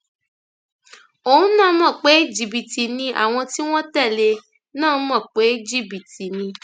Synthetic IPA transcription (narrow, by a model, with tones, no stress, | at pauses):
o˨ũ˦nã˦˨˦mã˦˨k͡pe˨˦i˦d͡ʒi˨bi˨ti˨nĩ˧ʔa̰˨w̃ɔ̃˧ti˦w̃ɔ̃˦tɛ˦˨le˧ | nã˦˨˦mã˦˨k͡pe˨˦d͡ʒi˦˨bi˨ti˨nĩ˧